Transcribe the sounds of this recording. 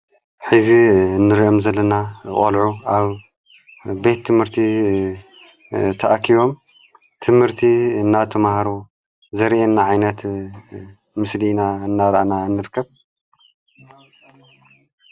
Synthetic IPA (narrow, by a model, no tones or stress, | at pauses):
ħɨzinːɨɾiʔo̞mzɐlːɐnaχʼɐlʕuaβ | be̞t̪ʰːɨmhɨɾt̪ʰi | t̪ʰɐʔakʰiβo̞m | t̪ʰɨmhɨɾt̪ʰiɨnːat̪ʰɐmahɐɾu | zɐɾʔenːaʕajnɐt̪ | mɨslinaɨnːaɾɐʔananːɨɾɨkʰːɐβ